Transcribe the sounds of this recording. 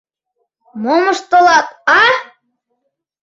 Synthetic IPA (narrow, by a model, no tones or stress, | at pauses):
moməʃt̪olˠɑt̪̚ɑ